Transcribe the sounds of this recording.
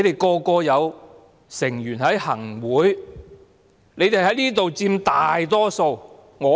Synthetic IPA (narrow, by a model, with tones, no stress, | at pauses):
jt̪e˨jkɔː˧kɔː˧jɐ˨˧w | sɪ˨˩ŋjyː˨˩nhɐ˨˥jhɐ˨˩ŋwuː˨˥j | ne˨˧jt̪e˨˩ɦɐ˨˥jniː˥t̪o˨wt͡siː˧mt̪aː˨jt̪ɔː˥so˧w | ŋɔː˨˧